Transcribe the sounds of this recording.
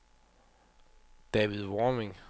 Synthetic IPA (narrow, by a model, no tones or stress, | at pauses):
d̥ɛʋiðˠʋɒmeŋ